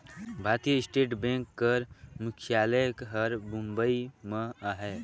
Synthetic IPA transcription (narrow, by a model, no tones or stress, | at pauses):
bʱaːt̪ijəɪsʈeːʈbẽŋkːəɾmʊkʰjaːləəkɦəɾbũmbəimẽaɦɛː